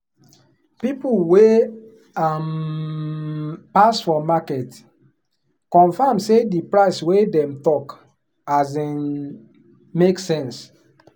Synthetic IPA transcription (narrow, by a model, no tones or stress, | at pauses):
pipulwe | am | pasfɔmakɛt | kɔ̃nfamsedipɹaɪswedɛ̃mtɔk | azĩn | meksɛ̃ns